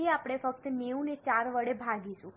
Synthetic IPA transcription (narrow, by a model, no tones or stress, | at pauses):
eapɽ̃efək̚t̪neũnet͡ʃaɾʋəɽebʱaɡisũ